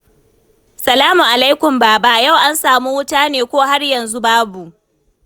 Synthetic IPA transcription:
sɐ˨laː˦mu˨ʔa˨la˦jkʷʊ˨mba˦˨baː˦˨ja˦˨wʔa˦nsaː˨mu˦wʊ˦taː˦neː˨kʷoː˦ɦa˦rjɐ˨nzu˦baː˦bu˨ʔ

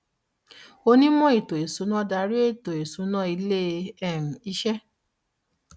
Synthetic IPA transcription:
o˧nĩ˦mɔ̃˦e˦˨to˨e˨su˨˦nã˦da˧˦ɾi˦e˦˨to˨e˨su˨˦nã˦i˧le˦ɛ˦˨ɾ̃ũ˨i˧˦ʃɛ˦

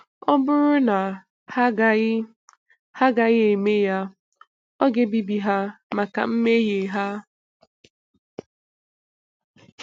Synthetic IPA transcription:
ɔ˦bʊ˦ɾʊ˦na˨˦˨ | ha˦ɡa˨ɣɪ˦e˨me˦ja˦ | ɔ˦ɡe˦bi˦bi˨ɦa˦ma˨ka̰˨m̩˦me˦je˨ɦa˦

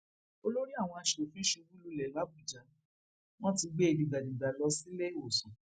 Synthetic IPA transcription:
o˧˦lo˦ɾi˦a˦˨w̃ɔ̃˧a˧ʃo˨fĩ˦ʃu˧bũ˦lu˨˧˨lɛ˨la˨˦bu˦˨d͡ʒa˨˦ | w̃ɔ̃˦ti˧ɡ͡be˦e˧di˨ɡa˨di˨ɡa˨lɔ˧si˦le˦˨o˨sɔ̃˨

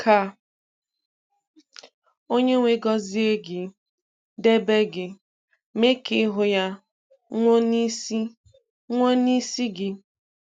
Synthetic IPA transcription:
kʰa˨ | o˦ɲe˦ŋʷe˦ɡɔ˦zi˦e˦ɡɪ˨ | de˦be˦ɡɪ˨ | me˦kɪ˦ɦʊ˨ja˦ | ŋʷo˦ni˦si˦ | ŋʷo˦ni˦si˦ɡɪ˨

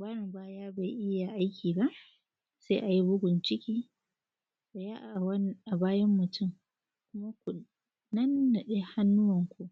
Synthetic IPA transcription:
baː˦ɽɪ˨mbaː˦jaː˦ba˨jʔɪ˦ja˨ʔa˦jkʲiː˨ba˦ʔ | se˦ʔa˨ji˦bʊ˦ɡʷʊ˨nt͡ʃɪ˦kʲiː˦ | sɐ˨jaː˦ʔʔa˨baː˦jɐ˦mːʊ˨tʰʊ˦m | kʷʊ˦ma˦kʷu˨ | nɐ˦nːa˨ɗe˦ha˦nːʊ˦wɐ˨ŋkʷu˨ʔ

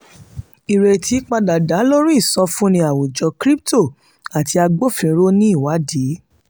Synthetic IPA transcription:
i˨ɾe˨tʰi˨˦k͡pa˧da˨da˨˦lo˦ɾ̃ĩ˦i˦˨sɔ˧fũ˦nĩ˧a˨wo˨d͡ʒɔ˨˧kɾi˦p̚to˦˨ | a˨ti˧a˧ɡ͡bo˦fĩ˧˦ɾo˦nĩ˦i˦˨wa˨˦di˨˦

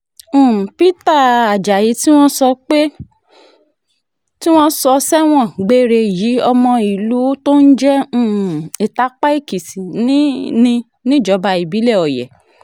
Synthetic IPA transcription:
ũ˦˨pi˦ta˦˨a˨d͡ʒa˨ji˨˦ti˦w̃ɔ̃˦sɔ˧k͡pe˦ | ti˦w̃ɔ̃˦sɔ˧sɛ˦w̃ɔ̃˦˨ɡ͡be˦ɾe˧ji˨˦ɔ˧mɔ̃˧i˨lu˨˦to˦n̩˦d͡ʒɛ̃˦˨e˨ta˨˦k͡pa˦i˦˨ki˨si˨nĩ˦nĩ˧ | nĩ˦d͡ʒɔ˧˦ba˧i˨bi˨˦lɛ˦˨ɔ˨jɛ̰˨

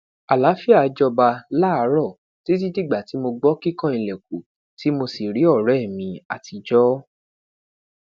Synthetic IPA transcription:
a˨la˨˦fi˦a˧d͡ʒɔ˧ba˧la˦a˧˦ɾɔ˦˨ | ti˦t̬i˦di˦˨ɡ͡ba˨ti˨˦mo˧ɡ͡bɔ˦ki˦kã˦i˧lɛ˨k̚u˨ | ti˨˦mo˧si˨ɾi˨˦ɔ˦˨ɾɛ˦˨mĩ˧a̰˨ti˧d͡ʒɔ˦

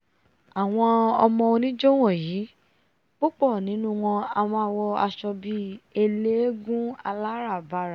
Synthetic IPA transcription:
a˨w̃ɔ̃˧ɔ˧mɔ̃˧o˧nĩ˦d͡ʒo˦w̃ɔ̃˦˨jiː˨˦ | k͡po˦k͡pɔ˦˨nĩ˨˦nũ˦w̃ɔ̃˧a˧˨m̃ɔ̃˧a˧wɔ˧a˧ʃɔ˧bi˧˦e˧le˦ɡũ˦a˧la˦ɾa˦˨ba˧˨ɾa˨

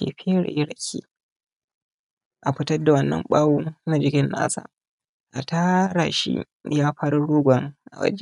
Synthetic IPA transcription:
ḛː˨ɸe˦ɽa̰˨ʔɪ˦ɽɐ˨kʲʰḭː˦ | ʔa˨ɸɪ˦tɐ˦rda˨wɐ˦nːɐ̰˦mɓaː˦wuː˦na˦d͡ʒɪ˦kʲɪ˦nːa̰ː˦sa̰ː˦˨ | ʔa˨taː˦ɽa˨ʃḭ˦ | jaː˦ɸaː˦ɾu˦ɽuː˦ɡʷɐ˨ŋʔa̰˨wɐ̰˦d͡ʒe˦

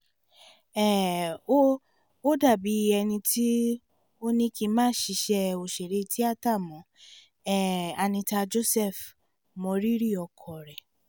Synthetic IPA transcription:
ɛ˦˨o˦ | o˦da˦˨bi˨˦˧ɛ˧nĩ˧tʰi˦ | o˦nĩ˦ki˧mãː˦ʃi˧ʃɛ˧o˨ʃe˨ɾe˨˦˧ti˦a˦ta˦˨mɔ̃˨˦ | ɛ˦˨a˧˨nĩ˧ta˧d͡ʒo˦˨sɛ˦˨f | mɔ̃˨˧ɾi˦ɾi˦˨ɔ˧kʰɔ˨ɾɛ˨

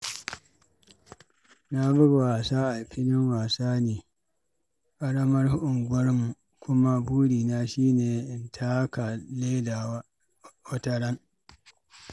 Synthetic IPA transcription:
na˦bʊ˦˨waː˨saː˦ʔa˨ɸɪ˦nɪ˦ŋwaː˨saː˦niː˨ | ʔa˦ɽɐ˦mɐ˦rhʊ˦ʔʊ˨ŋɡʷɐ˦rmu˨ | kʷʊ˦ma˦buː˦ɽiː˨naː˦ʃiː˦neː˨ʔɪ˨ntʰaː˦ka˨le˦daː˨wa˦ | wɐ˦tɐ˦ɽɐ˦ŋ

